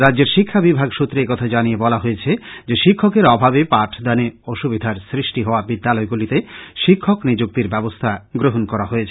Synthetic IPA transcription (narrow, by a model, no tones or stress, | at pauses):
ɾadːd͡ʑeɾʃikʰːabibʱaɡʃut̪ːɾeekɔt̪ʰad͡ʑaniebɔlaɦoet͡ɕʰed͡ʑeʃikʰːokeɾɔbʱabepaʈʰd̪aneoʃubid̪ʱaɾsɾiʃʈiɦɔoabid̪ːalɔeɡulit̪eʃikʰːoknid͡ʑuk̚t̪iɾbɛbost̪ʰaɡɾoɦonkɔɾaɦoet͡ɕʰe